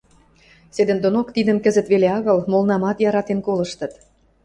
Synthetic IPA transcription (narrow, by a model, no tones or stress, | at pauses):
sed̪ə̆nd̪onokt̪id̪ə̆mkəzə̆t̪βeleɑɣɤlmolənɑmɑt̪jɑɾɑt̪enkolɤ̆ʃt̪ɤ̆t̪